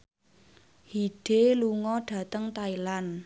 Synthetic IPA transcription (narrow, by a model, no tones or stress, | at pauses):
hiɖ̥eluŋɔɖ̥ä̤t̪əŋt̪ailan